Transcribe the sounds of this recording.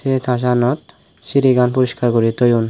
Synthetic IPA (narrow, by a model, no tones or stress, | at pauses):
et̪ʰaʃ̬anɔt̪ | siɾiɡanpuɾiʃkaɾkoɾit̪ojun